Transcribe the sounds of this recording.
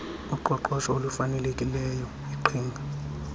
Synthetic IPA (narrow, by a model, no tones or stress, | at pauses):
uǃɔǃɔʃɔolufanɛlekʼilɛjɔ | iǃʰiːŋɡʱa